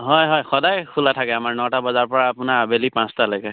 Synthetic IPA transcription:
ɦɔjɦɔjxɔdajkʰulatʰakɛamaɹnɔtabɔzaɹpɔɹaːpʊnabelipãstalɔjkɛ

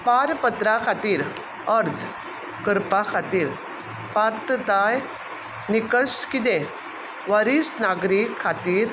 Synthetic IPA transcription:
paɾpət̪ɾakʰat̪iːɾ | əɾd͡z | kəɾpakʰat̪iːɾ | paɾt̪t̪aj | nikəskit̪e | ʋaɾisnaɡɾikʰːat̪iːɾ

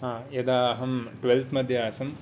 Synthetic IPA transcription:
ɦãːjɐd̪aːɦɐmʈʋelt̪ʰmɐd̪ʱjɐaːsɐm

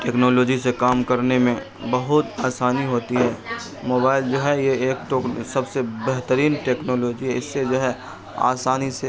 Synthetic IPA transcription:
ʈeːknɔːloːd͡ʒisekaːmkɐɾnemẽ | bɐɦʊt̪aːsaːniɦoːt̪iɦɛː | moːbaːɪld͡ʒoːɦɛjeeːk̚t̪oksɐbsebɛɦt̪əɾiːnʈeːknoːloːd͡ʒiɦɛɪsːed͡ʒoːɦɛ | a̰ːsaːnise

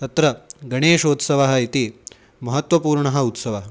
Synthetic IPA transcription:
t̪ɐt̪ɾɐɡɐɳeːʃoːt̪sɐʋɐɦɐ̆it̪i | mɐɦɐt̪ʋɐpuːɾɳɐɦɐut̪sɐʋɐɦɐ

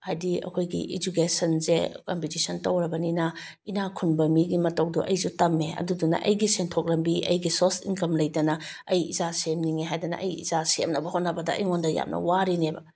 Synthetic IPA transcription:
ajdiɐ̰kʰojɡḭʔid͡ʒukesɐnzḛkompitisʰɐntɐwɾɐbɐninɐ | inakʰunbɐmiɡimɐtowduʔɐjzutɐmːeɐ̰dudunɐ̰ʔɐjɡisentʰok̚ɾɐmbiʔɐ̰jɡisosinkɐmlɐjtɐnɐ | ɐjizasemniŋeɦajdɐnɐ̰ʔɐjḭzasḛmnɐbɐhotnɐbɐdɐʔɐ̰jŋondɐja̰mnɐ̰waɾinebɐ̰

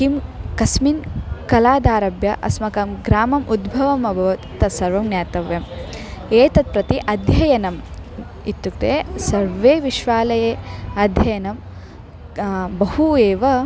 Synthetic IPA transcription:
kimkɐsminkɐlaːd̪aːɾɐbjɐʔɐ̰smɐkɐmɡɾaːmɐmʔud̪bʱɐʋɐmɐbʱɐʋ̪t̪ːɐsɐɾʋɐmnjaːt̪ɐʋjɐm | eːt̪ɐt̪̚pɾɐt̪iʔɐd̪ʱjɐjɐnɐm | it̪ːjuk̚t̪eːsɐɾʋeːʋiʃʋaːlɐjeːɐd̪ʱjɐjɐnɐm | bɐɦueːʋɐ

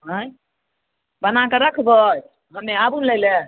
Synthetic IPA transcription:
ɦə̃j | bənakəɾəkʰbəj | ɦəmːeabunləjle

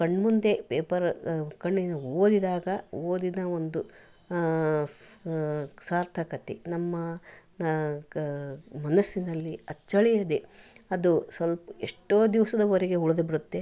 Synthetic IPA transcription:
kɐɳːmund̪e̞peːpɐɾkɐɳːinuoːd̪id̪aːɡɐoːd̪id̪ɐond̪u | saːɾt̪ʰɐkɐt̪enɐmːɐ | mɐnɐsːinɐlːiɐt͡ʃːɐɭijɐd̪eɐd̪usɐlpɐeʂʈoːd̪iʋɐsɐd̪ɐʋɐɾeɡe̞uɭud̪ɐbiɾut̪ːe

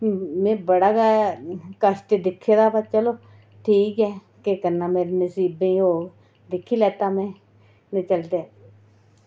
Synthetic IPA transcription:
mɛ̃ːbəɽaːɡaːkəst̪ed̪ɪkʰːeːd̪aːbat͡ʃəloː | ʈʰiːkɛː | kekənːaːmeːɾeːnəsiːbẽɦoː | d̪ɪkʰːiːlɛːt̪aːmɛ̃ː | nẽːt͡ʃəlt̪eː

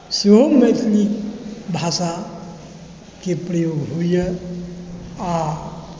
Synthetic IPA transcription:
siɦomet̪nikbʱasa | kepɾəjoɡɦujə | a

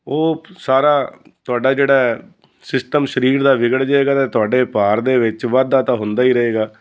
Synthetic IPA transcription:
oːsaːɾaːt̪ʊaːɖaːd͡ʒeːɽaː | sɪsʈəmʃəɾiːɾd̪aːʋɪɡəɽd͡ʒaeːɡaːt̪eːt̪ʊaːɖeːpaːɾd̪eːʋɪt͡ʃʋaːd̪ːaːt̪ãːɦʊ̃nd̪aːiːɾəɦeːɡaː

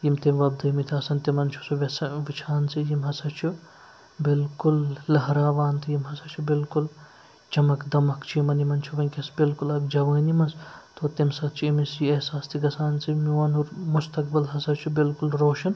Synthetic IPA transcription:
jimt̪emʋɐb̚d̪ɐjimit̪ʰiɐsɐnt̪imɐnt͡ʃʰu̥suʋɐsɐʋit͡ʃʰaːnsijimɦɐsɐt͡ʃʰu | bilkullɐɦɾaːʋaːnt̪ʰijimɦɐsɐt͡ʃʰubɪlkul | t͡ʃɐmɐkd̪ɐmɐkt͡ʃʰijimɐnimɐnt͡ʃʰuʋɐnʲkʲɐsbilkulɐɡd͡ʒɐʋɐːnimɐnst̪ʰoːt̪emsɐt̪t͡ʃʰiimisjiesaːst̪ʰiɡɐsaːnsimiʋɐnuɾmust̪ɐk̚bɐlɦɐsɐt͡ʃʰubilkulɾoːʃɐn

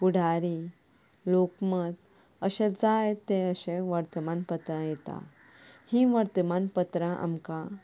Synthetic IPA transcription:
puɽ̤ʱaɾi | lokməd̪ | əɕed͡zajt̪eəɕẽʋəɾt̪əmanpət̪ɾãjet̪a̰ | hĩʋəɾt̪əmanpət̪ɾãʔa̰mka

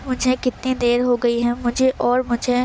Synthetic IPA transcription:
mʊd͡ʒʱekɪt̪ned̪eːɾɦoɡɐiɦɛ̃mʊd͡ʒʱeʔɔːɾmʊd͡ʒʱe

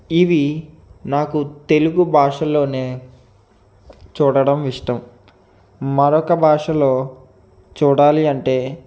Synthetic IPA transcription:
iʋi | naːkut̪e̞luɡubʱaːʂɐlo̞ːne̞ː | t͡ʃuːɽɐɽɐmʋiʂʈɐm | mɐɾɔkɐbʱaːʂɐlo̞ː | t͡ʃuːɽaːliɐɳʈe̞ː

